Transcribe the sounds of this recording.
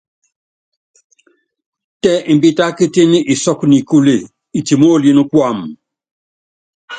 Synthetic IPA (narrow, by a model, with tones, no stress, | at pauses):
tɛ˦ʔi˨m˨bi˦ta˦ki˦te˦ni˦ʔi˨sɔ˦kni˨ku˦le˦˨ | i˨ti˨mo˦˨li˦nu˦kwa˦˨m